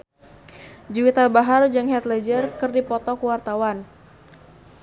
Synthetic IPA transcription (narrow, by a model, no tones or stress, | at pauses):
d͡ʒuwit̪abaɦard͡ʒɨŋɦɛt̪lɛd͡ʒərkɨrdipɔt̪ɔkuwart̪awan